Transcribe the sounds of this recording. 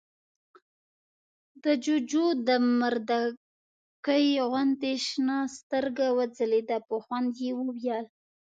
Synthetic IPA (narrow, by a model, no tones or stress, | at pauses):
d̪əd͡ʒʊd͡ʒod̪əmaɾd̪a | kəjɣwand̪eʃnɑst̪əɾɡawad͡zəled̪apəxwand̪jewəwjɑl